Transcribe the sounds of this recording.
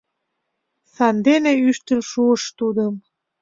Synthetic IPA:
sɑnd̪eneyʃt̪ə̆lʃuəʃt̪ud̪əm

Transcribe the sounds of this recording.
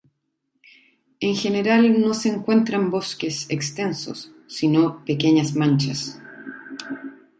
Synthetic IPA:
eŋxe̞neɾalno̞seːŋkwe̞nt̪ɾambo̞skesekst̪e̞nso̰sː | inopekeɲasmant͡ʃas

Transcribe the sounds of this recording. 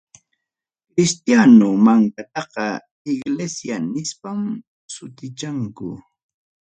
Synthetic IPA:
kɾɪst̪janʊmaŋkat̪ɑqɑ | ɪɡlesjanɪspam | sʊt̪ɪt͡ʃaŋkʊ̰

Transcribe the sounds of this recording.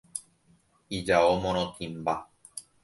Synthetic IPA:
id͡ʒaomõɾõt̪ʰĩmba

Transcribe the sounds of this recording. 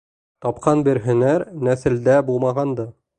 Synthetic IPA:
t̪ɑpqɑnbɘ̆ɾɦɵ̆næɾnæθɘ̆ld̪æbulˠmɑʁɑnd̪ɤ

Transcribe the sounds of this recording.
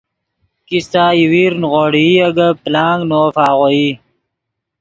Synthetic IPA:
kist̪aːjiwiːɾnʁoːɽiɐɡɐplaːŋɡnoːfaːʁoi

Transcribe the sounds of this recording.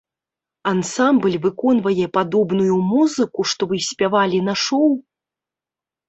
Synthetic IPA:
ansamblʲvɨkɔn̪vɐjɛpad̪ɔbnujumuzɨkuʂt̪ɔvɨsʲpʲavalʲinaʂɔw

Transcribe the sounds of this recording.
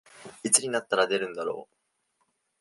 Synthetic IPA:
it͡sɨɲ̟inat̪ːaɾad̪e̞ɾɯ̟̃nd̪aɾo̞̰ː

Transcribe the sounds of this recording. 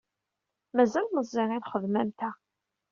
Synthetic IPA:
mæzælməzˤːɪʁɪðχəðmæmt̪æ

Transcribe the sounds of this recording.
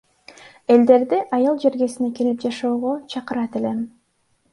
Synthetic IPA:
e̞ld̪e̞ɾd̪iʔɑjɯlˠd͡ʒe̞ɾɡe̞sineke̞lip̚d͡ʒɑʃoːʁo̞t͡ʃʰɑqɯɾɑt̪e̞le̞

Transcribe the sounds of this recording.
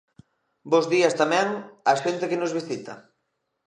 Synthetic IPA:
bozðiɐst̪amɛŋɐʃent̪ekenozβ̞isit̪ɐ̰

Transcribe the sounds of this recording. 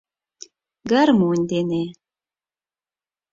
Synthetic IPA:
ɡaɾmunʲd̪ene

